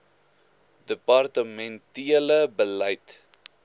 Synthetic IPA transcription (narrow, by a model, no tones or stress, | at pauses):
dəpɑrtəmɛntiələbəlɐjt